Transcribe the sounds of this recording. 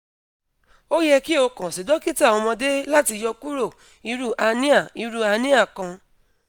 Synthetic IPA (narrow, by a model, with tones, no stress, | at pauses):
o˦jɛ˧ki˦o˧kã˨si˨dɔ˨˦ki˦ta˦˨ɔ̃˧mɔ̃˧de˦la˦ti˧jɔ˧ku˦ɾo˦˨ | i˨˧˦ɾu˦ʔa˧nĩ˦a˦˨i˧˦ɾu˦a˧nĩ˦a˦˨kã˧